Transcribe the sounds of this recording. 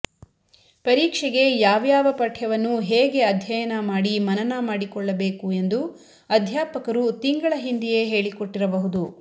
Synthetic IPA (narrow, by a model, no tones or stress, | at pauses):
pɐɾiːkʂɛɡe̞jaːʋjaːʋɐpɐʈʰjɐʋɐnːuɦeːɡe̞ɐd̪ʱjɐjɐnɐmaːɽimɐnɐnɐmaːɽikɔɭːɐbe̞ːkue̞nd̪u | ɐd̪ʱjaːpɐkɐɾut̪iŋɡɐɭɐɦind̪ije̞ɦe̞ːɭikoʈːiɾɐbɐɦud̪u